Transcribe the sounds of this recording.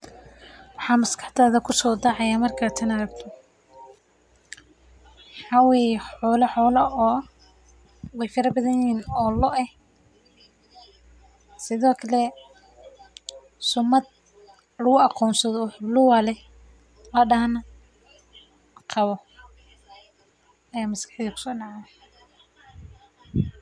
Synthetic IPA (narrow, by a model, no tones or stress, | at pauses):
wɑħɑːmɐskʰɑ̥ħt̪aːðɐkʰʊsɔːd̪ɑʕɑjaːmɐrkʰaːt̪ʰɐnɐɾɐɡt̪ʰɔ | ħɑwɛjħɔːlɐħɔːlɐʔɔː | wɛjfɐɾɐbɐðɐjiːnɔːlɔʔɛh | sɪðɔːkʰɐlɛ | sʊmɐd̪̚ | lɐɣʊɑqʰɔːnsɐðɔħblʊwɐlɛ | lɐɖɐhɐnɐ | qʰɑβɔ | ɐjaːmɐskɑħðikʰʊ̥sɔːnaʕa